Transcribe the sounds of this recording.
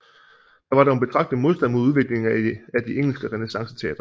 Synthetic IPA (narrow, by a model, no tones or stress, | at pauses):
d̥ɑ̈ʋɑ̈ɾɑnb̥e̝t͡sʰʁɑ̈ɡ̥d̥ð̩mo̝ðˠsd̥ænmo̝ðˠuð̞ˠʋe̝ɡ̥le̝ŋæd̥ieŋ̰l̩sɡ̥əʁɛne̝sɑ̈ŋsə̥t͡sʰɛ̰ːd̥ʁɐ